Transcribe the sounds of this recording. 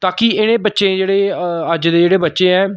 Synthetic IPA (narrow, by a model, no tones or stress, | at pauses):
t̪aːkiːɪñẽːbətːʃẽːd͡ʒeːɽeːəd͡ʒd̪eːd͡ʒeːɽeːbətːʃẽːɛ̃ː